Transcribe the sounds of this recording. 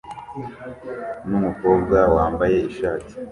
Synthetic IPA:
numuko̞bɡawaːmbaje̞iʃaːti̥

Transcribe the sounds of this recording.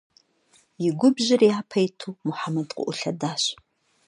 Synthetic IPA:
jɪɡʷʊbʑɪriaːpʰɐjtʰuːmʊħamɐdqʷʊ̰ʔʷʊɬɐdaːɕ

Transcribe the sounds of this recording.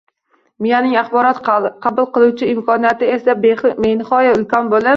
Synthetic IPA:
mijanɪŋaχbɒɾɒt̪qʰɑlˠd̪ɪqʰɑbʊlˠqɨlˠuwt͡ʃʰɪɪmkʰɒnijat̪ɪesabmenɪχɒjaɪlkʲʰɒnbolˠa

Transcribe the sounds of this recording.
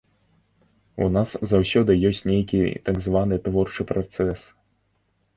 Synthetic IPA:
ṵnaszawsʲɔd̪ɨjɔsʲt͡sʲnʲejkʲḭt̪aɡzvanɨt̪vɔrt͡ʂɨpɾat̪sɛs

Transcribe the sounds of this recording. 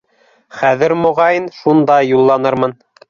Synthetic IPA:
χæðɘɾmŏʁɑjɤnʃund̪ɑjulˠːɑnɤɾmɤn

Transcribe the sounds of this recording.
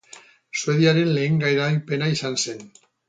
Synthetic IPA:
sue̞ðiaɾenle̞ːŋɡajɾalpe̞naisansen

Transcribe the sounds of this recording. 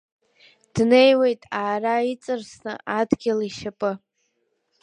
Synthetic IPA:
d̥ne̞jwe̞jtʼaːrait͡sʼɨrsnɨ̰adɡʲɪliʃapʼɨ

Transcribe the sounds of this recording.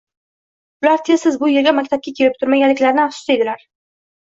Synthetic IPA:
ʊlaɾt̪ʰe̞zːɪzbʊjɪlɡʲamakʲt̪ʰap̚kʲakʲʰe̞lɪp̚t̪ʰʊɾmaɡʲanlɪkʲlaɾɪnɪaχsʊ̥sed̪ɪlaɾ

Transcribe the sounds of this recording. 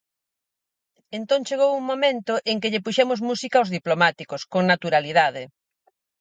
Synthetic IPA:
ent̪õŋt͡ʃeɣ̞owuŋmomẽnt̪ʊʔeŋkɪʎɪpuʃɛmʊzmusikaozðiplomat̪ikʊskoŋnat̪uɾaliðað̞ɪ

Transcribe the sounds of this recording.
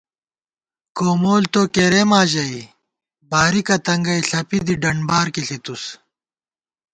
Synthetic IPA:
koːmoːlt̪oːkeɾemaːʑɐi | baːɾikɐt̪ɐŋɡɐiɬɐpid̪iɖɐɳbaːɾkiɬit̪us

